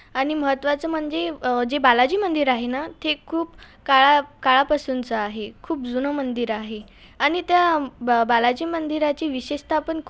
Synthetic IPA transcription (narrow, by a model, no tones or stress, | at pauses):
aɽ̃iməɦət̪ʋat͡səm̤əɳd͡zed͡ʑebalad͡ʑiːmənd̪iɾaɦenat̪ʰekʰuːp | kaɭakaɭapasunt͡səaɦekʰuːpd͡zunəmənd̪iɾaɦe | aɽ̃it̪jabalad͡ʑiːmənd̪ʱiɾat͡ɕiːʋiɕeɕt̪ʰapəɳkʰ